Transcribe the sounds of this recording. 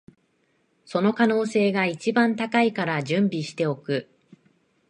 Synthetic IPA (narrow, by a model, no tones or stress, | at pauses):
so̞no̞kano̞ːse̞ːɡait͡ɕibãnt̪akaikaɾaʑɨ̃mbʲiɕi̥t̪e̞o̞kɯ̟